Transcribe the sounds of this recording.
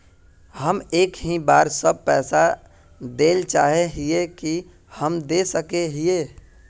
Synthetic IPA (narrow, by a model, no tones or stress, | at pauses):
həmeːkɦibaːɾsəb̚pɛːsa | d̪eːlt͡ʃaːɦeɦieki | həmd̪eːsəkeɦieː